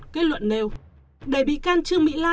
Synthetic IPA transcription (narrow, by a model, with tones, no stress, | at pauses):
ke˨˦˥tlwə̰˧˨nne˨˩w | ɗe˧˩ɓḭ˧˨kaː˧nt͡ɕɨ˧əŋmḭ˧˥laː˧